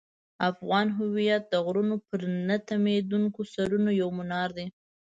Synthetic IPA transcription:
afɣɑnɦʊwijat̪̚d̪əɣɾunopəɾnat̪amed̪uŋkosaɾunojawmʊnɑɾd̪e

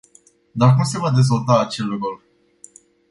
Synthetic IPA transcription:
d̪ark̪umsevad̪e̞zvolt̪aːt͡ʃelukul

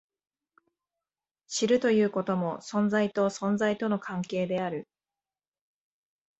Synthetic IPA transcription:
ɕiɾɯ̟t̪o̞jɯ̟ːko̞t̪omo̞sõ̞nd͡zait̪o̞sõ̞nd͡zait̪o̞no̞kʰãŋke̞ːd̪e̞aɾɯ̟

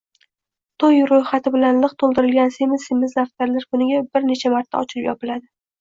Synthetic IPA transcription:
t̪ʰojɾojχat̪ʰɪbɪlanlɨqt̪ʰolˠd̪ɪɾɪlɡʲansemɪzemɪzlaft̪kʲaɾlaɾkʰʊnɪɡʲabɪɾne̞t͡ʃʰamaɾt̪ʰːa̰ɒt͡ʃʰɪlɪpjɒpɪlad̪ɪ

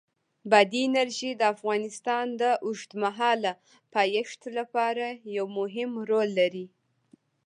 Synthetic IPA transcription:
bad̪iːnaɾʒid̪əafɣɑnɪst̪ɑnd̪əʔʊʒt̪maɦɑla | pɑjaʂt̪lapɑɾajawmʊɦɪmɾolːaɾi

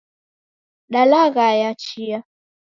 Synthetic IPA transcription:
ɗalaɣajat͡ʃia

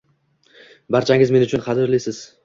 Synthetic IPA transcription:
baɾt͡ʃʰaŋʲɪzme̞nʊt͡ʃʰʊnχɑd̪ɪɾlɪsɪz̥

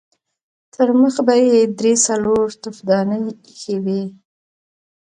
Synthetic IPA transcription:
t̪ʰəɾməxbajed̪ɾesaloɾt̪ʊfd̪ɑnəj | xewi

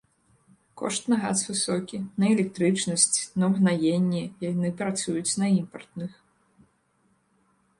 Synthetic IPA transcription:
kɔ̰ʂt̪nɐɣa̰svɨsɔkʲinɐɛlʲɛk̚t̪ɾɨt͡ʂnɐsʲt͡sʲnɐwɣnajenʲːɛjanɨpɾat̪sujut͡sʲnɐimpɐrt̪nɨx

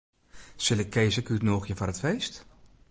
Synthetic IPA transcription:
sɪlɪkʰːejzəkytnoːxjəfɔɾətfejst

